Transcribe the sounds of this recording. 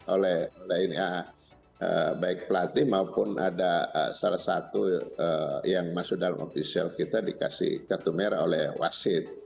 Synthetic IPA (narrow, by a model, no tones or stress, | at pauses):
ʔolɛholɛinia | əbaɪk̚pəlat̪ihmaupʊnʔadaə̰salahsa̰t̪uəjaŋmasʊk̚dalamʔo̰fisia̰lkit̪adika̰sḭhkat̪umɛɾaolɛhwa̰sɪt̪̚